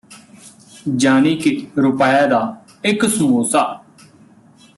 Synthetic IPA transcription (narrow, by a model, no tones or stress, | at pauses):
d͡ʒaːniːkeɾʊpaːjaːd̪aː | ɪksũːoːsaː